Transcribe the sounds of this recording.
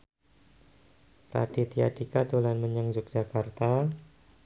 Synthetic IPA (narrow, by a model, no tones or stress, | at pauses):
ra̰d̥it̪ia̰dikad̪olanməɲəŋd͡ʒʊk̚dd͡ʒ̥akart̪a